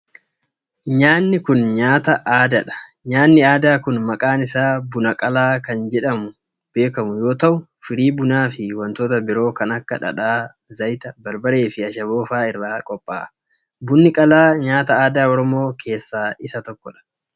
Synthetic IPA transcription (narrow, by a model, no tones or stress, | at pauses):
ɲaːnːɪkʊnɲaːt̪ɐʔaːd̪ɐᶑɐ̥ | ɲaːnːɪaːd̪aːkʊnmɐkʼaːnɪsaːbʊnɐkʼɐlaːkɐnd͡ʒɛᶑɐmʊ | b̥e̞ːkɐmʊjo̞ːt̪ɐʔʊ | fɪɾiːbʊnaːfɪwɐnt̪oːt̪ɐbɪɾo̞ːkɐnɐkːɐᶑɐ̰ᶑaː | zɐjt̪ɐbɐɾbɐɾe̞ːfɪɐʃɐbo̞ːfaːɪrːaːkʼɔpʼːa̰ː | bʊnːɪkʼɐlaːɲaːt̪ɐaːd̪aːɔɾɔmo̞ːkʰe̞ːsːaːɪsɐt̪ɔkːɔᶑɐ̥